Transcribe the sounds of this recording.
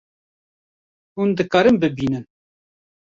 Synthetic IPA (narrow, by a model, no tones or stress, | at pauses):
hund̪ɨkɑːɾɨmbɨbiːnɨn